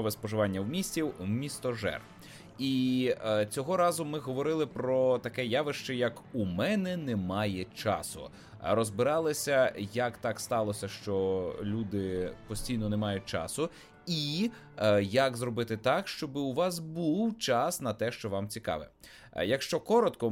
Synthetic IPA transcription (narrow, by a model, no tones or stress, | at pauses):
ɔʋɛspɔʒɪʋɑnʲːɐwmʲisʲtʲiwmʲist̪ɔʒɛ̰r | i | t͡sʲɔɦɔɾɑzʊmɪɦɔʋɔɾɪlˠɪpɾɔt̪ɐkɛjaʋɪʃt͡ʃɛjɐkumɛnɛnɛmɑjɛt͡ʃɑ̰sʊ̰ | rɔzbɪɾɑlˠɪsʲɐjɐkt̪ɑkst̪ɑlˠɔsʲɐʃt͡ʃɔlʲud̪ɪpɔsʲtʲijnɔnɛmɑjʊt̚ʲt͡ʃɑ̰sʊ | i | jɐkzrɔbɪt̪ɪt̪ɑkʃt͡ʃɔbɪʊʋɑsbuwt͡ʃɑsnɐt̪ɛʃt͡ʃɔʋɑmt͡sʲikɑ̰ʋɪ̰ | jɐkʃt͡ʃɔkɔɾɔt̪kɔ